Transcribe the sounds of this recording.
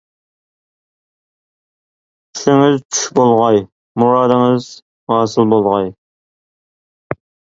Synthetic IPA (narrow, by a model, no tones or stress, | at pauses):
t͡ʃʰy̥ʃɪŋɪzt͡ʃʰy̥ʃbolˠʁɑj | muɾɑːd̪ɨŋɪz̥ | hɑːsɨlˠbolˠʁɑj